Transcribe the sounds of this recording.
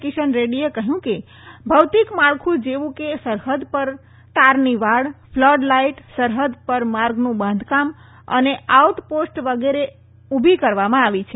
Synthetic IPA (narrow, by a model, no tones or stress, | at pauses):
kiʃənɾeɽiekəɦjũke | bʱəwt̪ikmaɭkʰũd͡ʒeʋũkesəɾɦəd̪pəɾ | t̪aɾniʋaɭfʰləɖlaiʈsəɾɦəd̪pəɾmaɾɡnũbə̃nd̪ʱkam | ə̰neaut̪posʈʋəɡeɾe | ubʱikəɾʋamãaʋit͡ʃʰe